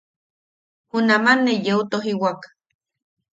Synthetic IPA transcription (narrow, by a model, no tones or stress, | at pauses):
unamanːejeut̪oɦiwak